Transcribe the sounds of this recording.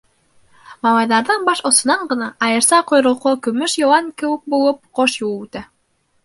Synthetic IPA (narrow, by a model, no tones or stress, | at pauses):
mɑlˠɑjðɑɾðɑnbɑʃŏsŏnɑɴɢɤ̆nɑɑjɤ̆ɾsɑqŏjɾŏlˠqokɵ̆mɵʃjŏwɑŋkɘ̆wɘk̚bulˠɤp̚qoʃjulˠʉt̪æ